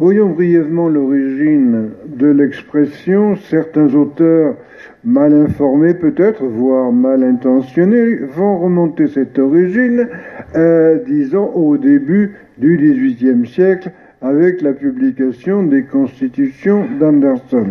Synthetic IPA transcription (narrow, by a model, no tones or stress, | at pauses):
vwajɑ̃bʁijɛvmɑ̃lɔʁiʒind̪əlɛkspχɛsjɔ̃sɛʁt̪ɛ̃zot̪œːʁ | malɛ̃fɔʁmepøt̪ɛt̪χvwaʁmalɛ̃t̪ɑ̃sjɔnevɔ̃ʁəmɔ̃t̪esɛt̪ɔʁiʒin | d̪izɑ̃ʔod̪eby | d̪yd̪izɥit̪jɛmsjɛkl | avɛklapyblikasjɔ̃d̪ekɔ̃st̪it̪ysjɔ̃d̪ãnd̪ɛʁsɔn